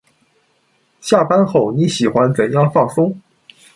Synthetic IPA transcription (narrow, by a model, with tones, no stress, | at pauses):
ɕja˥˩pa˥nxo˥˩ʊni˧˥ɕi˨˩xwa˦˥nt͡sə˨˩njɑ˥˧ŋfɑ˥˩ŋsʊ˥ŋ